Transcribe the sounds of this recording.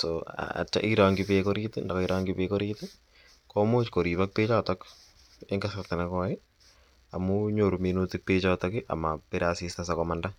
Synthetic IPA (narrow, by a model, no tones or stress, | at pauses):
soa̰a̰t͡ʃːa̰ʔiɾaːŋɡɪpeːkoɾit̪ɪndakoiɾaːŋɡɪpeːkoɾiːt̪ɪ | komot͡ʃkoɾiːpak̚peːt͡ʃatɔk | eŋɡasart̪enakɔɪ | amuɲoɾumenot̪ɪk̚peːt͡ʃatɔkɪʔa̰mapeɾasistasakɔmanda